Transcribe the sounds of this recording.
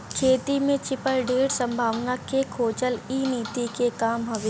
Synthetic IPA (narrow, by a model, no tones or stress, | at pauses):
kʰeːt̪imẽt͡ʃɪpəɾɖeːɽsɐ̃mbʱaːʋnakekʰoːt͡ʃəliːniːt̪ikekaːmɦɐʋeː